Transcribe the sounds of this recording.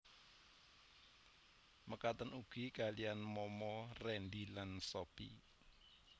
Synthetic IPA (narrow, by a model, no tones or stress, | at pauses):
məkat̪ənuɡ̥i̤kalijanmɔmɔrɛnd̪ilansɔpḭ